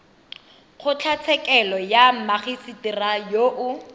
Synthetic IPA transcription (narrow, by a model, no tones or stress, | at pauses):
χʊt͡ɬʰat͡sʰɛkɛlɔjamaχisitirajoʔʊ